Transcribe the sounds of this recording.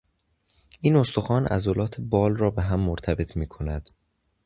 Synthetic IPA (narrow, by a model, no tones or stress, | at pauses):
ʔiːno̞st̪oxɒːnʔæ̰zolɒːt̪ʰebɒːlrɒːbeɦæmːoɾt̪ʰæbe̞t̪ʰmiːkʰo̞næd̪̥